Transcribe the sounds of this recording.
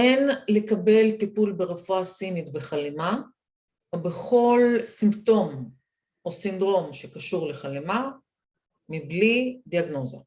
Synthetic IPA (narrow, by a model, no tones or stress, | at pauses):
ʔenle̞kabe̞lt̪ipulbeʁafuasinit̪beχalema | obeχo̞lsimto̞m | ʔo̞sind̪ʁo̞mʃe̞kaʃuʁleχalema | miblid̪iaɡno̞za̰